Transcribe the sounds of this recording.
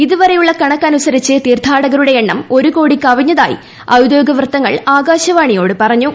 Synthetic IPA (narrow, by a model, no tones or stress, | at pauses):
iðuʋɐɾejuɭːɐkɐɳɐkːɐnusɐɾit͡ɕːɨt̪iːrt̪ʰaːɽɐɣɐɾuɽe̞eɳːɐmo̞ɾuko̞ːɽikːɐʋiɲːɐða̰ːjḭ | ɐwd̪jo̞ːɡɐʋrɨt̪ːɐŋːɐɭaːɡaːɕɐʋaːɳijo̞ːɽɨpɐrɐɲːu